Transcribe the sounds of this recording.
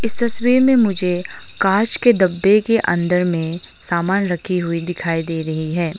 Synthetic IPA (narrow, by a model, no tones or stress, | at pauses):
ɪst̪ɐswiːɾmẽmʊd͡ʒʱe | kaːt͡ʃked̪ɐbːekeʔɐ̰̃nd̪əɾmẽ | saːmaːnɾɐkʰiɦʊid̪ɪkʰaːid̪eːɾɐɦiɦɛː